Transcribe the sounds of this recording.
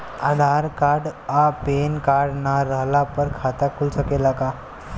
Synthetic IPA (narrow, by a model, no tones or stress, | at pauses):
ad̪ʱaɾkaɾɖapenkaɽnaɾaɦlapəɾkʰat̪akʰulsəkelaka